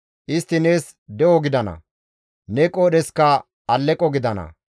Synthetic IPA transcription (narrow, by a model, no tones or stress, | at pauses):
ʔɪst̪ːɪneːs | d̪ɛwɔɡɪd̪ɐnɐ̰ | nɛkʼoːɗɛskːɐ | ɐlːɛkʼːɔɡɪd̪ɐnɐ̰